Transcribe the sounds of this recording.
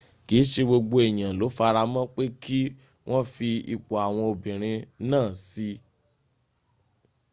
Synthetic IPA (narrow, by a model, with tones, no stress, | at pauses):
ki˨˦ʃe˧ɡ͡bo˧ɡ͡bo˧e˨j̃ã˨lo˨˦fa˧ɾa˧mã˦k͡pe˦kʰi˦ | w̃ʔɔ̃˦fi˧i˨k͡po˨a˨w̃ɔ̃˧o˧bĩ˨ɾ̃ĩ˧nãː˦˨si˧˦